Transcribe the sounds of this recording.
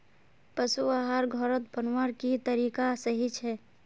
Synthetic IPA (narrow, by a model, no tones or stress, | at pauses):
pəsuaɦaɾɡʱɔɾət̪̚bənwəɾkit̪əɾikasəɦit͡ʃʰɛ